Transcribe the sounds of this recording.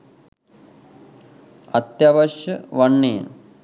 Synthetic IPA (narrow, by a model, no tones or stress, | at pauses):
ɐt̪jɐʋɐʃjɐʋɐɳːḛːn